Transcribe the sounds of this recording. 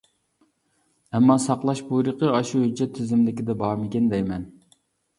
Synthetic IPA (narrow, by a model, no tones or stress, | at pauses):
ɛmːɑsɑqlˠɑʃbujɾəqəɑʃuhyd͡ʒːɛt̪ʰːɪzɪmd̪ɪkʲid̪ɛbɑːmɪkʲɛnd̪ɛjmɛn